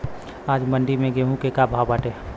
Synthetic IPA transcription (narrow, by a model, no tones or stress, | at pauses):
aːd͡ʒməɳɖimẽɡeɦũkekabʱawbaːʈe